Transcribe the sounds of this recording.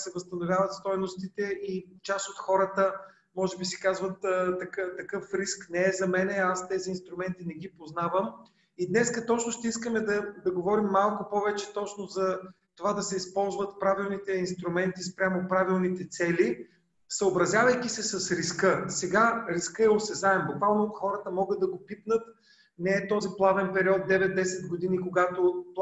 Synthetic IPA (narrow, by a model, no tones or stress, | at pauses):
sɛvɐst̪ɐnovʲjavɐt̪st̪ɔjnost̪it̪ɛʔit͡ʃasot̪xɔɾət̪ə | mɔʒɛbisɛ̥kazvət̪ːɐkt̪ɐkɤfɾisknɛɛzɐmɛnɛast̪ɛziːnst̪ɾʊmɛnt̪inɛɡ̟ipoznavəm | id̪nɛskət̪ɔt͡ʃnʊʃt̪ɛiskəmɛd̪ɐd̪ɐɡovɔɾimːalˠkʊpɔvɛt͡ʃɛt̪ɔt͡ʃnozɐ | t̪ovad̪ɐsɛispɔlˠzvət̪pɾavilˠnit̪ɛinst̪ɾʊmɛnt̪ispɾʲamopɾavilˠnit̪ɛt̪sɛli | səobɾɐzʲjavɐjkʲisɛsɐsɾiskɤsɛɡaɾiskɤɛosɛzaɛmbʊkvalˠnoxɔɾət̪əmɔɡəd̪ɐɡopip̪nət̪ | nɛːt̪ɔziplˠavɛnpɛɾiɔt̪̚d̪ɛvɛd̪̚d̪ɛsɛt̪̚ɡod̪inikoɡat̪o